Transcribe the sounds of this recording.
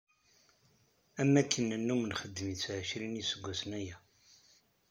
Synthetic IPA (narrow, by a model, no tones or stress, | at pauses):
æmːækʰːənːənːumənχəd̪ːəmit͡sːʕəʃɾinisəɡʷːæsənæjæ